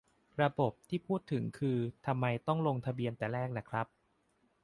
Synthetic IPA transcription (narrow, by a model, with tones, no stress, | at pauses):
ɾa˧bo˨˩p̚t̪ʰiː˥˩pʰuː˥˩t̪ʰːɯ˩˦ŋkʰɯː˧t̪ʰa˧mːa˧jt̪ɔ˥˩ŋlo˧ŋt̪ʰa˧bi˧ənt̪ɛː˨˩ɾɛː˥˩k̚na˦˥kʰɾa˦˥p̚